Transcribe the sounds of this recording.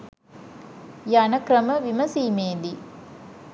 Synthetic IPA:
janɐkɾɐməʋimɐsiːmeːd̪i

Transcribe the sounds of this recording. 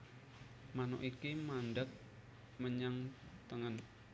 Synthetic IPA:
manʊ̰ʔikimanɖak̚ | məɲaŋt̪əŋən

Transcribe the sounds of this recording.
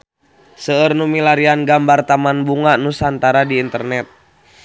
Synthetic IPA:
səərnumilaɾianɡambart̪amanbuŋanusant̪aɾadiːnt̪ərnɛt̪̚

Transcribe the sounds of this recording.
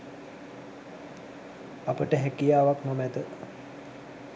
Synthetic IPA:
apəʈəɦækijaːʋakmomæd̪ə

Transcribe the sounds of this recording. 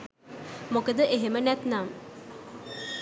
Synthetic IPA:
mokəd̪əʔeɦemənɛt̪nam

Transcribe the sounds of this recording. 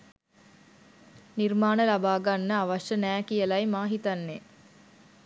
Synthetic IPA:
nirmaːnəlabaːɡanːəaʋaʃənæːkijəlajmaːɦit̪anːe

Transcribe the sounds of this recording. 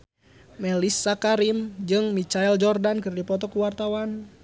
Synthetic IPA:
mɛlisːakaɾimd͡ʒɨŋmit͡ʃaɛld͡ʒɔrdankɨrdipɔt̪ɔkuwart̪awan

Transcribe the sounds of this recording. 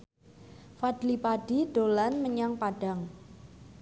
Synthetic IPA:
fadlipaɖ̥iɖ̥olanməɲaŋpaɖ̥aŋ

